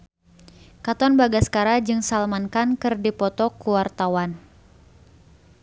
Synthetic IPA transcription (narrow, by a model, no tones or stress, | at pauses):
kat̪ɔnbaɡaskaɾad͡ʒɨŋsalmankankɨrdipɔt̪ɔkuwart̪awan